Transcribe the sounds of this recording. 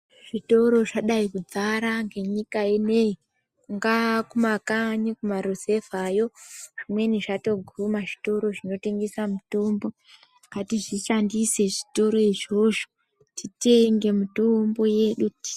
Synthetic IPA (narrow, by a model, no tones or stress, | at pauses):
ʐ̥ito̞ɾo̞ʐaɗaikud͡zaɾaŋɡe̞ɲikaenei | ŋɡakumakaɲikumaɾoze̞vajo̞ʐ̥imwe̞niʐato̞ɡʱumaʐi̥to̞ɾo̞ʐino̞te̞ŋɡesamutumbo̞ | katiʐiʃandise̞ʐito̞ɾo̞iʐo̞ʐo̥ | tite̞ŋɡe̞mutombo̞je̞ɗu̥